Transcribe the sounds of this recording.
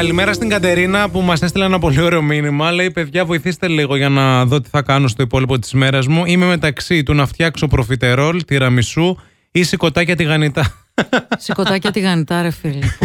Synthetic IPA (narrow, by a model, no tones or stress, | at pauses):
kɐlime̞ɾɐst̪iŋɡɐt̪e̞ɾinɐpumɐsest̪ilɐenɐpo̞lio̞ɾe̞o̞minimɐlɐipe̞ðʝɐvo̞iθist̪e̞liɣo̞ʝɐnɐðo̞t̪i̥θɐkɐno̞st̪o̞ipo̞lipo̞t̪i̥zme̞ɾɐzmuime̞me̞t̪ɐksit̪unɐft̪çɐkso̞pɾo̞fit̪e̞ɾo̞lt̪iɾɐmisu | isiko̞t̪ɐcɐt̪iɣɐnit̪ɐ | sikot̪ɐcɐt̪iɣɐnit̪ɐɾefil